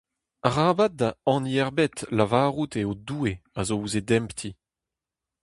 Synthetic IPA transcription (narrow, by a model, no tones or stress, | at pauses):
aʁaːbat̚daɑ̃niɛʁbet̪lavaːʁut̪eod̪uːeazouzedɛmpt̪ʰi